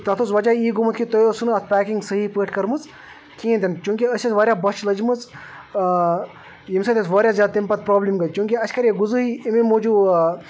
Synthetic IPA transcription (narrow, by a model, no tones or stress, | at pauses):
t̪ɐt̪ʰusʋɐd͡ʒaːiːɡumɐt̪kit̪ojosunɐt̪̚ʰpæːkiŋɡsɐɦipəːʈʰkɐɾmɨz | kĩːnt̪iɐnt͡ʃjũːŋkiɐʃisʋaːɾʲjabɐt͡ʃʰlɐd͡ʒmɨz | jimsɐt̪esʋaːɾʲjaːzʲjaːd̪t̪impɐt̪̚pɾoːblimɡɐjt͡ʃjũːŋkiɐt͡ʃkɐɾjeɡuzɨɦiimemoːd͡ʒuː